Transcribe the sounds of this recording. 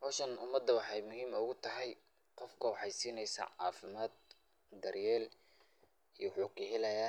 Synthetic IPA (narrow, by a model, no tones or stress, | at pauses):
hɔːʃɐnʊmɐd̪ːɐwɑħɑjmʊɦiːmʊɣʊt̪ʰɐɦɛj | qɔfkʰɐwɑħɑjsiːnɛjsa̰ːʕɑ̰ːfɪmaːd̪̚ | d̪ɐrjɛːl | ijħuːkɪɦɛlɐjaː